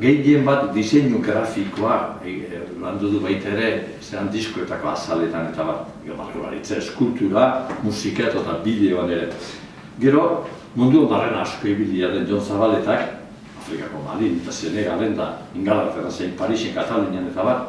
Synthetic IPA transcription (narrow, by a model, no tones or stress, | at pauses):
ɡe̞je̞mbat̪d̪ise̞ɲuɡɾafiko̞a | land̪uðuβajt̪aeɾe̞ | se̞and̪isko̞e̞t̪ako̞a̰sale̞t̪ane̞t̪aβat̪ | ɡeβa̰t̪ula̰ɾit͡saeskult̪uɾamusikat̪ot̪abiðe̞oaneɾe̞ | ɡe̞ɾo̞ | mund̪uamb̪arenaːsko̞iβiliaðe̞nd͡ʒo̞nsaβale̞t̪ak | afɾikako̞ma̰ðint̪ase̞ne̞ɣale̞nd̪a̰iŋɡalaβet̪et̪ansejmpaɾisieŋkat̪aluɲeane̞t̪aβat̪